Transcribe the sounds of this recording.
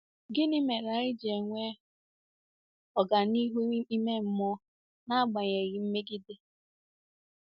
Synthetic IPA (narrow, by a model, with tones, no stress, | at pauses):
ɡɪ˦ni˦me˨ɾa˨ɪ˦d͡ʒe˨ŋʷe˦ | ɔ˨ɡa˨ni˦ɦu˦i˦me˦m̩˦mɔ˦ | na˦ɡ͡ba˨ɲe˨ɣɪ˨m̩˦me˦ɡɪ˦dɪ˦